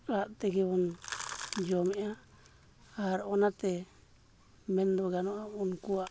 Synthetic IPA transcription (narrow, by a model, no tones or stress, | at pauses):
aʔt̪ɛɡɛβɔn | d͡ʒɔmɛʔa | aɾɔnat̪ɛ | mɛnd̪ɔɡanɔʔaunkua